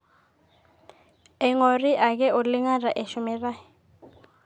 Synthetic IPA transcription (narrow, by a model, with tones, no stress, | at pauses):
ɛ˨ŋo˨ri˦ʔa˨k̬ɛ˦ʔu˨li˦ŋa˦ra˨ʔɛ˨ʃu˨mɛ˨raː˦jɛ˨